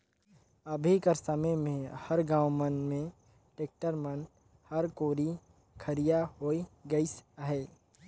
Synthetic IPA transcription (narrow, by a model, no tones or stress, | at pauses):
ɐbʱikəɾsəməjmẽhɐɾɡãːwmənmẽ | ʈeːk̚ʈəɾmən | hɐɾkoːɾi | kʰəɾijaɦoːiɡəisɦɛː